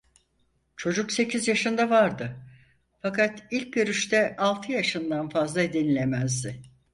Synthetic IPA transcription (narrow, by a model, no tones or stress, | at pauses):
t͡ʃʰo̞d͡ʒukse̞cʰizjaʃɯnd̪avaɾd̪ɯ | fakat̪ilʲc̚ɟøɾyʃt̪ʰɛʔalˠt̪ʰɯjaʃɯnd̪anfazlˠad̪enilʲemæzd̪ɪ